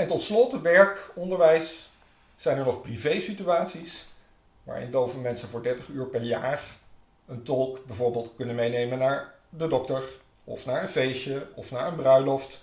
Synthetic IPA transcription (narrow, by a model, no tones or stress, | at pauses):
ɛntɔtslɔtʋɛɹkɔndəɹʋɛjsː | ɛjnɛɹnɔχprivejsityaːtsis | ʋa̰ːɹɪ̰ndowvəlˠmɛnsənvʊːɹdɛɹtəχyːɹpɛɹjaːr | əntɔlˠkbɛjvʊːɹbeːlˠtkɵnənmejnejmənːaːɹ | dədɔktəɹ | ɔ̰fnaːɹənvejʃəɔfnaːɹənbrœɥlɔft